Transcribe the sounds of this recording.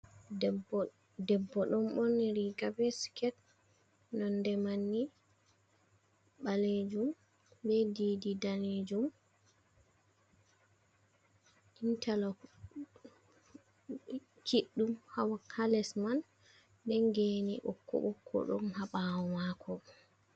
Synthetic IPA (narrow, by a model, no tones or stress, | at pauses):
dɛbːɔɗɔmɔnɾiɡabɛskɛt̚ | nɔndɛmanːi | ɓaled͡ʒum | bɛdiːdidaled͡ʒum | ʔintʰalɔ | t͡ʃiɗːumhawakʰalɛsman | dɛŋɡenḭʔɔkːɔ̰ɓɔkʰːɔ̰ɗɔ̰nhaɓawɔmakʰɔ